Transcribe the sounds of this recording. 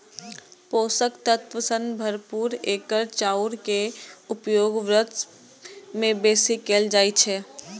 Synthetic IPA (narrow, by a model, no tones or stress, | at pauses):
poːsəkt̪ət̪ʋəsənbʱəɾpuːɾeːkəɾt͡ʃaːuɾkeʊpjoːɡʋɾət̪ | mẽbeːsikeːld͡ʒaːjt͡ʃʰɛ